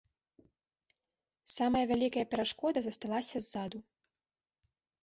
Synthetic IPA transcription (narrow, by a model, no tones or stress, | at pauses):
samɐjɐvʲalʲikɐjɐpʲɛɾaʂkɔd̪ɐzɐst̪alˠasʲɐzːad̪u